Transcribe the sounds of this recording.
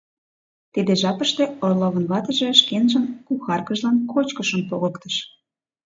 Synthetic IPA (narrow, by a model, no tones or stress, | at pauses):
t̪ed̪eʒɑpəʃt̪eorloβə̆nβɑt̪ə̆ʒe̽ʃkenʒə̆nkuxɑrkəʒlɑnkot͡ɕkəʃəmpoɣəkt̪əʃ